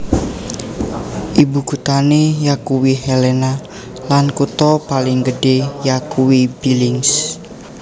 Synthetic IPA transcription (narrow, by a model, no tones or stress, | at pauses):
ʔibuɡ̥ut̪anejakuwihɛlɛna | lankut̪ɔpalɪŋɡəɖejakuwibilɪŋs